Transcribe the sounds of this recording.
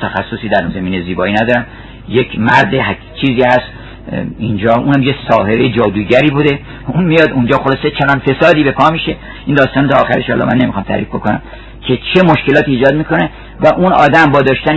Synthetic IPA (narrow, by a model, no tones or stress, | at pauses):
t̪ʰæxæsːosiːd̪æɾunzæmiːneziːbɒːiːnæd̪ɒːɾæm | jekʰmæɾd̪eɦ | t͡ʃʰiːziːhæst̪ | ind͡ʒɒːʔuːnhæmjesɒːɦe̞ɾejd͡ʒɒːd̪uːɟæɾiːbud̪e̞ | unmijɒːd̪und͡ʒɒːxolɒːse̞t͡ʃʰeɾɒnfe̞sɒːd̪iːbe̞pʰɒːmiʃe̞ | ind̪ɒːst̪ɒːnot̪ʰɒːxæɾeʃɒ̰ːlɒ̰mæ̰nːe̞mixɒmt̪ʰæ̰ɾḭfbo̞ko̞næ̰m | kʰe̞t͡ʃʰe̞moʃke̞lɒːt̪iːd͡ʒɒːd̪miːko̞ne | væʔunɒ̰ːd̪æmbɒːd̪ɒːʃt̪æn